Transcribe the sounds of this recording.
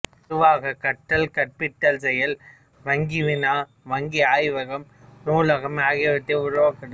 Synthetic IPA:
ɐɾʊʋaːɣɐkɐʈːɐlkɐʈ̚pɪʈːɐlsɛjɐl | ʋɐŋɡɪʋɪnaː | ʋɐŋɡiaːjʋɐɣɐm | nuːlɐɣɐmaːɣɐʋɐt̪ːɐʊɾʊʋaːkːɐɽ

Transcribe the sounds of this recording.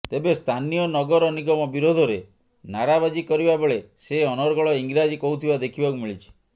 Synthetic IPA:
t̪ebest̪ʰanijɔnɔɡɔɾɔniɡɔmɔbiɾod̪ʱɔɾe | naɾabad͡ʒikɔɾibabeɭeseɔnɔɾɡɔɭɔiŋɡɾad͡ʒikɔɦut̪ʰibad̪ekʰibɔkumiɭit͡ʃʰi̥

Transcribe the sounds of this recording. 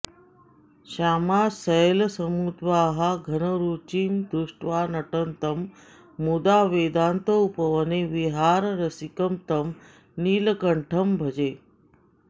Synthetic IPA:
ɕaːmasəjlsəmuːd̪ʋaɦaɡʱənəɾuːt͡ʃiːmd̪uʂʈʋaːnɐʈənt̪əmː | ud̪aʋed̪aːnt̪əupəʋəneʋiɦaːɾɾəsikəmt̪əm | niːlkəɳʈʰəmbʱəd͡ʒe

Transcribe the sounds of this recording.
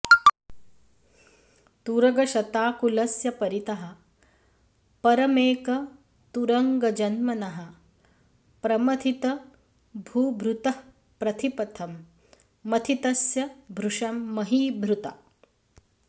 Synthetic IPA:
t̪uɾɐɡɐʃɐt̪aːkulɐsjɐpɐɾit̪ɐɦɐ̆ | pɐɾɐmeːkɐ | t̪uɾɐŋɡɐd͡ʒɐnmɐnɐɦɐ̆ | pɾɐmɐt̪ʰit̪ɐ | bʱuːbʱɾut̪ɐ | pɾɐt̪ʰipɐt̪ʰɐmː | ɐt̪ʰit̪ɐsjɐbʱɾuʂɐmːɐɦiːbʱɾut̪ɐ̰

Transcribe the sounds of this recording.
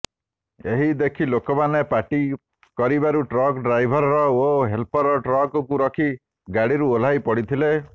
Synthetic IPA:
eɦid̪ekʰilokɔmanepaʈi | kɔɾibaɾuʈɾɔkɖɾajbʱɔɾɔɾɔoɦelpɔɾɔʈɾɔkɔkuɾɔkʰi | ɡaɽiɾuolajpɔɽit̪ʰile

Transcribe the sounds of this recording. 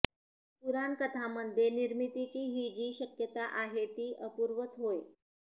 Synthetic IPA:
t̪uɾankət̪ʰaməd̪ʱjeniɾmit̪it͡ɕiːɦiːd͡ʑiːɕəkjət̪aʔaɦet̪iːʔəpuɾʋət͡sɦoj

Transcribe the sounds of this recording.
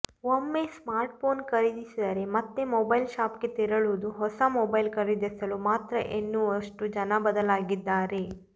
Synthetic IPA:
omːesmaːɾʈ̚pʰoːnkɐɾid̪isid̪ɐɾe̞mɐt̪ːe̞mɔbɐjlʃaːpɡe̞t̪iɾɐɭud̪uɦɔsɐmɔːbɐjlkɐɾid̪esɐlumaːt̪ɾɐʔenːuɐʂʈud͡ʒɐnɐbɐd̪ɐlaːɡid̪ːaːɾe̞

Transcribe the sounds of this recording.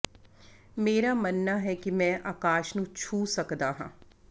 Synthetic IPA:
meːɾamɐnːaɦɛkimɛ̃ʔaːkaːʃnũt͡ʃʰuːsɐkd̪aɦã̰ː

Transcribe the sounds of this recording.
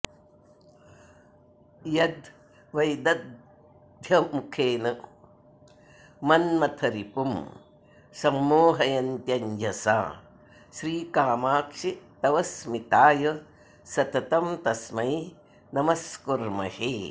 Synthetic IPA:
jɐd̪ | ʋɐjd̪ɐd̪ | d̪ʱjɐmukʰeːnɐ | mɐnmɐt̪ʰɐɾipum | sɐmːoːɦɐjɐnt̪jɐɲd͡ʒɐsa̰ː | ʃɾiːkaːmaːkʂit̪ɐʋɐsmit̪aːjɐ | sɐt̪ɐt̪ɐmt̪ɐsmɐj | nɐmɐskuɾmɐ̰he

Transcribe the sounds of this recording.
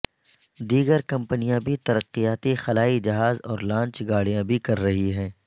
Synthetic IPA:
d̪iːɡəɾkɐ̃mpənijãbʱit̪ɐɾəqːijaːt̪ixɐlaːid͡ʒɐɦaːzɔːɾlãːɲt͡ʃɡaːɽ̤ijãbʱikɐɾːɐɦiɦɛ̃ː

